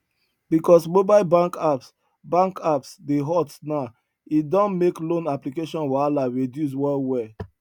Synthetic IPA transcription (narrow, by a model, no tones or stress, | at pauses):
bikɔsmobaɪlbãŋkaps | bãŋkapsdeɦɔtna | idɔ̃nmeklõnaplikeʃɔ̃nwɛalaɹedjus̬wɛlwɛ